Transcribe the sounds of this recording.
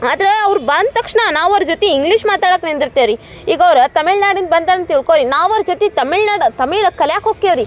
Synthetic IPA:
aːd̪ɐɾeɐʋɾubaːnd̪t̪ɐkʂɳɐnaːʋɐɾd͡ʒot̪eiŋɡliːʂmaːt̪aːɽɐknind̪iɾt̪eɾi | iːɡɐʋɾut̪ɐmiɭnaːɽin̚bɐnt̪aːnɐnt̪iɭkoːɾinaːʋɐɾd͡ʒot̪et̪ɐmiɭnaːɖt̪ɐmiːɭɐkːɐljaːkoːkːeɐʋɾi

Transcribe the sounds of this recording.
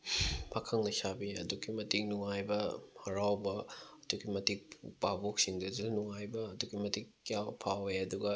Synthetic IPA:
pʰakʰɐŋnɐsabiɐ̰duɡimɐtik̚nuŋajbɐhɐɾawbɐɐduɡimɐtik̚pabok̚siŋdɐzilnuŋajbɐːduɡimɐtikːijawpʰaweɐduɡɐ

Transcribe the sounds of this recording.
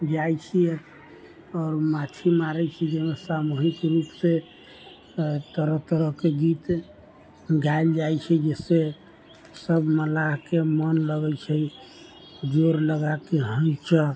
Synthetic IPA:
d͡ʒajt͡ʃʰi | ɔːɾmat̪ʰimaɾɛt͡ʃʰɛd͡ʒɛmesamuɦikɾupse | t̪əɾəɦt̪ɾəɦkeɡit̪ | ɡaeld͡ʒajt͡ʃʰɛd͡ʒɛse | səbməlaɦkemənləɡət͡ʃʰɛ | d͡ʒoɾləɡakeɦə̃nt͡ʃʰə

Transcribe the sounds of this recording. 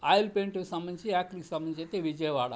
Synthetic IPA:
aːjlpeɳʈuksɐmbɐniɲt͡ʃiaːk̚ʈliksɐmbɐnit͡ʃet̪eʋid͡ʒɐjɐʋaːɽa̰

